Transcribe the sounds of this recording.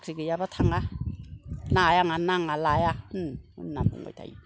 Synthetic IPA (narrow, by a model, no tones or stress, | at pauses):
kʰiɡɯjabatʰaŋa | najaŋanaŋalajaṵnnːambṵŋo̰jtʰa̰jḭ